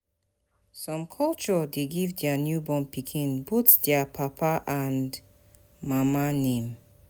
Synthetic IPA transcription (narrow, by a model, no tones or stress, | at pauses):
sɔ̃mkʰɔlt͡ʃɔdeɡivdɛanjubɔ̃mpikʰĩnbotdɛapʰapʰaʔãnd | mamanẽm